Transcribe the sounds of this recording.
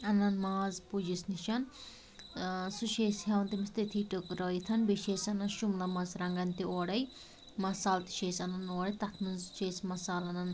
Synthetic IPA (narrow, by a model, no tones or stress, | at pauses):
ɐnɐnmaːzpud͡ʒisniʃɐn | suʃeːshewɐnt̪imist̪it̪ʰiʈɨkɾɔːjt̪ʰɐnbiʃeːsɐnɐnʃumlɐmɐsɾɐŋɡɐnt̪ioːɽɐj | mɐsaːlt̪i̥ʃeːsɐnɐnoːɽɐjt̪ɐt̪ʰmɨzʃeːsmɐsaːlɐnɐn